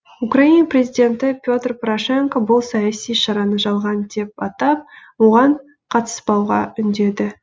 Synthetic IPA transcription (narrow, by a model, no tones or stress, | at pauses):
ukrainaprʲe̞zijd̪ʲe̞nt̪ɪpʲjo̞t̪rpɾoʂe̞ŋkobʊlˠsɑjɑsijʃɑɾɑnəʒɑlˠʁɑnd̪e̞p̚ɑt̪ɑp̚wo̞ʁɑɴ | qʰɑt̪ə̥sbɑwʁɑ̰ʏnd̪e̞d̪ɪ